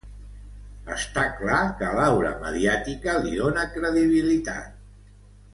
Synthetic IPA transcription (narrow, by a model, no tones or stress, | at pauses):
əst̪aklakəlawɾə̰mə̰ðiat̪ikəliðonəkɾəðiβ̞ilit̪a̰t̪̚